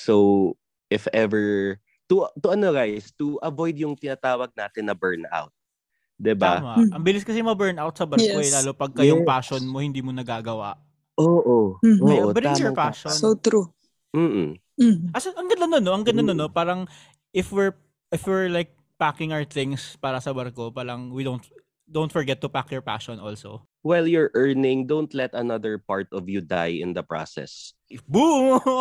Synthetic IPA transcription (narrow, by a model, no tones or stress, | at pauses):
sow | ʔɪfɛvɛɹ | t̪ʊt̪ʊʔɐnoɡajst̪ʊʔɐvojd̪jʊŋt̪ɪnaːt̪aːwɐɡ̚naːt̪ɪnɐbɛɹna̰wt̪̚ | d̪ɪba̰maʔɐmbɪlɪskɐsɛmɐbɛɹnawt̪̚sɐbɐkoɛlaːlopɐɡ̚kɐjoŋpaːʃonmohɪnd̪iːmonɐɡaːɡɐwa̰ʔ | ʔoːʔooːʔobɐɾajɔɹpaʃonsowt̪ɾu | m̩ː | ʔɐsɐʔɐŋɡɐnd̪ɐnonːoʔɐŋɡɐnd̪ɐnonːopaːɾɐŋ | ʔɪfwɪɹ | ʔɪfwɪɹlajk̚ | pakɪŋawəɹθɪ̃ŋspaːɾɐsɐbɐɾkopaːɾɐŋwid̪ownt̪ | d̪ownt̪fɔɹɡɛt̪ːʊpakjɔɹpa̰ʃɔnʔo̰lso̰ | wɛljɔɹʔɛɹnɪ̃ŋd̪õwnt̪lɛt̪ɐnɐd̪əɹpaɹt̪ɔvjud̪a̰jɪ̰̃nd̪ɐpɹa̰sɛ̰s | bu